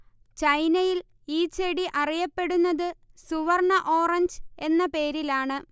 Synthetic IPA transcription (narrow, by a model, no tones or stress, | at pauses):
t͡ɕɐjnɐjil | iːt͡ɕeɽiʔɐrijɐpːe̞ɽunːɐðɨsuʋɐrɳɐʔo̞ːrɐɲd͡ʑe̞nːɐpe̞ːɾilaːɳɨ